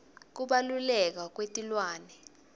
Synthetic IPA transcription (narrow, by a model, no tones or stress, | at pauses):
k̬uɓalulɛk̬ak̬wetʼilwaːnɛ